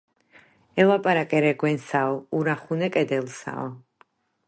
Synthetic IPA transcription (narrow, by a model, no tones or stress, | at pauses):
ɛlˠapʼaɾakʼɛɾɛɡwɛnsaɔuɾaχunɛkʼɛd̪ɛlˠsa̰ɔ